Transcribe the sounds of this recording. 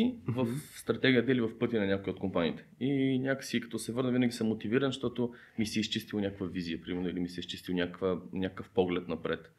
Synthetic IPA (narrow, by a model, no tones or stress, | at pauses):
ivəfst̪ɾɐt̪ɛɡʲiəd̪ɛlivɐfpɤt̪ʲinɐnʲakoiot̪̚kompanḭːt̪ɛ̥inʲakə̥sikɐt̪ɔsɛvɤɾnəvinɐɡʲisəmːot̪iviɾənʃt̪ɔt̪o | misiist͡ʃist̪ilˠnʲakəkvəviziəpɾimɛnʊilimisɛist͡ʃist̪ilˠnʲakkvənʲakəkəfpɔɡlɛt̪nɐpɾɛt̪